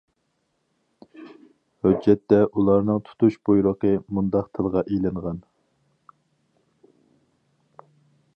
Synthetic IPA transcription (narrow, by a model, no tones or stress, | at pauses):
hød͡ʒːɛt̪ːɛʔulˠɑɾnɨŋt̪ʰu̥t̪uʃbujɾəqʰəmund̪ɑq̚t̪ʰɨlˠʁɑʔelɪɴʁɑn